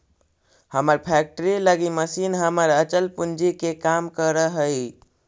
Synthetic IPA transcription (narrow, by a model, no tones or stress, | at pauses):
həməɾpʰɛk̚ʈəɾiləɡiməsinɦəməɾət͡ʃəlpund͡ʒikekamkəɾəɦəj